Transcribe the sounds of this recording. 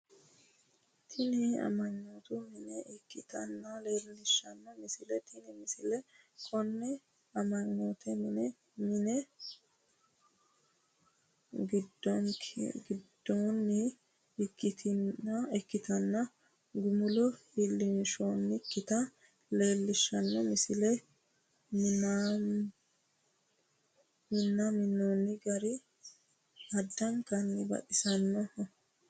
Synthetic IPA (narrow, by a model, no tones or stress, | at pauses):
t̪ʰɪnɪɐ̰mɐɲːoːt̪ʊmɪnɛɛkːɪt̪ɐ̰nːɐle̞ːlnɪʃːɐnːɐmɪsɪlɛt̪ʰɪnɪmɪsɪlɛ | kʰɔnːɛ | ɐmɐɲːoːt̪ʰɛmɪnɛ | mɪnɛ | ɡɪd̪ɔnɡɪd̪ːoːnːɪ | ɪkːɪt̪ʰɪnːɐɛkːɪt̪ɐnːɐ | ɡʊmʊlɔhilːɪnʃoːnːɪkːɪt̪ɐ | le̞ːlːɪʃːɐnːɔmɪsɪlɛ | m | mɪnːɐmɪnːoːnːɪɡɐɾɪ | ɐd̪ːɐŋkɐnːɪbɐ̰ɗɪsɐnːɔɔ